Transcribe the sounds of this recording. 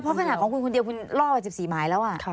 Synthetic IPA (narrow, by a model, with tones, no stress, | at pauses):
pʰɔ˦˥pʰa˧naː˨˩kʰɔː˨˩˦kʰu˧nkʰo˧ndi˧ku˧nɾɔː˥˩waː˧˩si˨˩p̚siː˩˦maː˨˩˦jlɛː˦˥wʔa˨˩˧